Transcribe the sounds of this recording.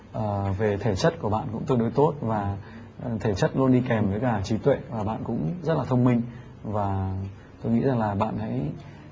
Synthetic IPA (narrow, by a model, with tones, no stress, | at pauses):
ʔəː˨˩ve˨˩t̪ʰe˧˩t͡ɕə˦˥t̚ku˧˩əɓa̰ː˧˨nkʊ̰˧˥ŋ͡mt̪ɨ˧əŋɗo˨˦jt̪o˦˥t̚vaː˨˩ | t̪ʰe˧˩t͡ɕə˦˥t̚lu˧nɗi˧kɛ˨˩mvəː˨˦jkaː˧˩t͡ɕi˨˦t̪wḛ˧˨vaː˨˩ɓa̰ː˧˨nkʊ̰˧˥ŋ͡mzə˦˥t̚laː˨˩t̪ʰə˧wŋ͡mmï˧ŋ̟ | vaː˨˩ | t̪o˧jŋḭ˧˥za˨˩ŋlaː˨˩ɓa̰ː˧˨nha̰ː˧˥j